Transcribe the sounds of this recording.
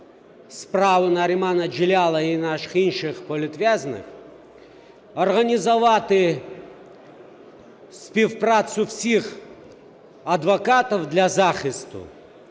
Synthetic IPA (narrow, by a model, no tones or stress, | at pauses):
spɾavɨnɐɾʲɪmanɐd͡ʒɪlʲalˠɐinaʂɨ̥xinʃɨxpɔlʲɪt̪ʋʲaznɨ̰x | ɐrɣɐnʲɪzɐʋat̪ɨ | sʲpʲɪfpɾat̪sʊfsʲix | ɐd̪vɐkat̪ɔwd̪lʲɐzaxɪst̪ʊ̰